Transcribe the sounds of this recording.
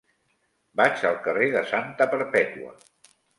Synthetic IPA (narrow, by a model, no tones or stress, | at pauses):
bat͡ʃəlˠkəreðəsant̪əpəɾpɛt̪uə̰